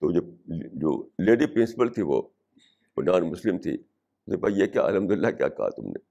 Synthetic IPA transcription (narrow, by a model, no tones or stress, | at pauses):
t̪od͡ʒed͡ʒo̰ːleːɖipɾɪnsɪ̥pəlt̪ʰiʋo̰ː | o̰naːnmʊslɪmt̪ʰḭ | ʊsnep̪jekja̰ːɐ̰ləmd̪ʊlːakja̰ːkɐɦa̰t̪ʊmnḛ